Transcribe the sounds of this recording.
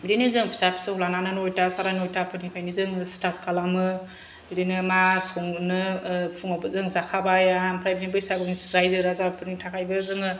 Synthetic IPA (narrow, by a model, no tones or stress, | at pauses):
bidinizɯŋpʰsapsɯhulananɯnojtasaɾanojtapʰɯnipʰajnizɯŋstat̚kalamɯ | bidinɯmasɔŋnɯpʰuŋabɯzɯŋzakʰabajampʰɾajbinibɯjsabɯnisɾajzɯɾazabpʰɯɾnitʰakʰajbɯzɯŋɯ